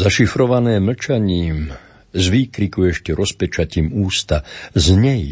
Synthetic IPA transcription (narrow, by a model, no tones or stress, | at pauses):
zaʃifɾɔʋanɛːmɭ̩t͡ʃaɲiːm | zʋiːkɾikuɛʃcɛɾɔspɛt͡ʃaciːmuːst̪azɲɛj